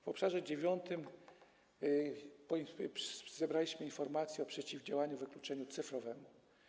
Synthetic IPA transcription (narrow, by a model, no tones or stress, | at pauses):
vɔpʂaʐɛd͡ʑevʲjɔnt̪ɘm | pɔ | zɛbɾalʲiɕmɘinfɔɾmat̪sʲjɛɔpʂɛt͡ɕivd͡ʑawaɲuvɘklut͡ʂɛɲut̪sɘfɾɔvɛmu